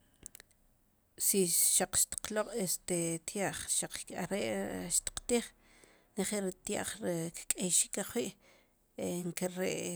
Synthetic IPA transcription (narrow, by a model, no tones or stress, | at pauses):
siʃaq͡χʃt̪i̥q͡χloqʼest̪et̪jaʔχʃaq͡χa̰ɾeʔʃt̪i̥q͡χt̪iːχ | neχelɾit̪ja̰ʔχɾikkʼejʃi̥kaχwiʔ | eŋkeɾeʔ